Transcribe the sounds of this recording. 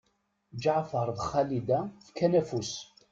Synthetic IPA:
d͡ʒʕfəɾˤðχælid̪æfkːænæfus

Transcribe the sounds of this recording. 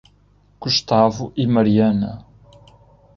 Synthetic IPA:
kuʃt̪avuʔimɐɾiɐnɐ̰

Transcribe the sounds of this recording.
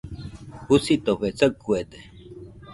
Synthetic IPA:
husit̪oɸet͡sakːued̪e

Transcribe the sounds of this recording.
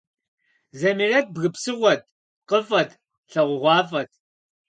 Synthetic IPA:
zɐmirɐt̚bɣɨpsɨʁʷɔt̚ | qəfɐtʰ | ɬɐʁʷʊʁʷɑːfɐt̚ʰ

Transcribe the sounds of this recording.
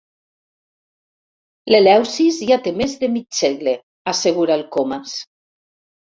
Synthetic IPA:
lelɛwsizjat̪emezðemiseɣle | aseɣ̞uɾalˠkomas

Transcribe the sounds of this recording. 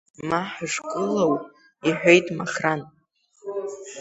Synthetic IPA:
maħaʐkʼɨlaw | iħʷᶣejtʼmaχran

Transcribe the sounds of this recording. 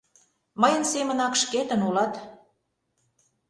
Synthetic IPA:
məjə̆nsemə̆nɑkʃket̪ə̆nulɑt̪

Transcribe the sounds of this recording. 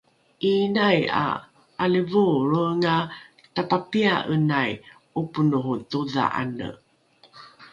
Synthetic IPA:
ʔinaja̰ | ʔaləvuɾuŋa | tapapiaʔənaj | upunuhutuða̰ʔa̰nə̰

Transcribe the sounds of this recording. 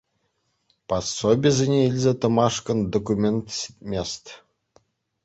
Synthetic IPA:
pɑsːobʲizʲɘnʲeilʲzʲet̪ə̆mɑʂkə̆nd̪okumʲent̪sʲi̥t̪̚ʲmʲest̪ʲ

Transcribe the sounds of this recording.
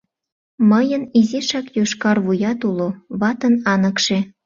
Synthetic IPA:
məjəniziʃɑkjoʃkɑrβujɑt̪uloβɑt̪ənɑnəkʃe

